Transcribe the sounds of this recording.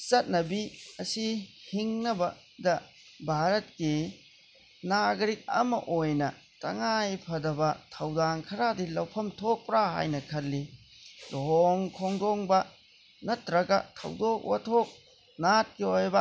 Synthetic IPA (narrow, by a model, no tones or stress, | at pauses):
sɐt̚nɐbiɐsihiŋnɐbɐ | dɐ | bʱaɾɐt̚ki | naɡɾik̚ɐ̰mɐ̰ʔojnɐ | tɐ̰ŋajpʰɐdɐbɐtʰɐwdankʰɐɾadilɐwpʰɐmtʰok̚pɾaɦa̰jnɐkʰɐlːi | loɦoŋkʰoŋdoŋbɐ | nɐtɾɐɡɐtʰɐ̰wdok̚wa̰tʰok̚ | nat̚kiojbɐ